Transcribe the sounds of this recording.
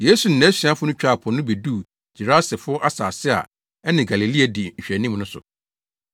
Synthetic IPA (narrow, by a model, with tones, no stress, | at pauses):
je˦su˨n̩˨nɛ̃˨˦si˨a˦fʊ˦nʊ̃˦t͡ɕᶣa˦˨pʰɔ̃˨nʊ̃˦be˨duː˦˨ | d͡ʑi˨ɾa˦sɪ˨fʊ˦ɔ˦ʔa˦saː˨sɪ˦a̰˨ | ɛ˦nɪ̃˨ɡa˨li˨li˦a˨dɪ˨ɲ̩˨ɕᶣɛ˨nĩ˦mnʊ̃˦sʊ̰˨